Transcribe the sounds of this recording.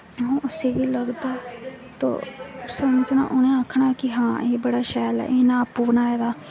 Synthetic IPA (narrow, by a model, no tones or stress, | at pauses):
ɦõːʔʊseːʋiːləɡd̪aː | t̪õ̰ːsəməd͡ʒna̰ːʔʊnẽːakʰːɳaːkɪɦãːeːbəɽaːʃɛːlɛ̰ːʔeːnãːpuːbənaːeːd̪aː